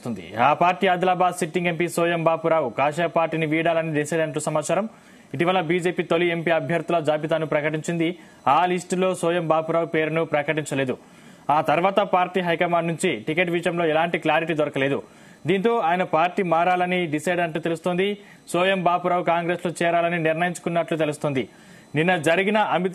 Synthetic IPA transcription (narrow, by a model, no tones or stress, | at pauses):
ond̪ḭaːpaːɾʈiːad̪laːbaːd̪siʈːiŋɡempiːsoːjɐmbaːpuɾaːwukaːʂɐpaːɾʈiːniʋiːɽaːlɐniɖisɐjɖɐnɳʈ̬ːuːsɐmaːt͡ʃaːɾɐm | iʈiʋɐlɐbiːd͡ʒe̞ːpiːt̪oliempiːɐbʱjɐɾt̪ulɐd͡ʒaːpit̪aːnupɾɐkɐʈ̬iɲt͡ʃind̪i | aːlisʈlo̞ːsoːjɐmbaːpuɾaːwupe̞ːɾunupɾɐkɐʈiɲt͡ʃɐle̞ːd̪u | aːt̪ɐɾʋaːt̪ɐpaːɾʈiːɦɐjkɐmaːɖnuɲt͡ʃiʈikeʈʋiːʂɐmlo̞ːɛlaːɳʈiklaːɾiʈiːd̪ɔɾɐkɐle̞ːd̪ṵ | d̪iːnt̪o̞ːaːjɐnɐpaːɾʈiːmaːɾaːlɐniɖisɐjɖɐnʈ̬ːuːt̪e̞lust̪oːnd̪i | soːjɐmbaːpuɾaːwukaːŋɡɾeːsloːt͡ʃɛːɾaːlɐniniɾnɐjiɲt͡ʃu̥kunːɐʈlut̪e̞lust̪oːnd̪i | ninːɐd͡ʒɐɾiɡinɐʔɐmi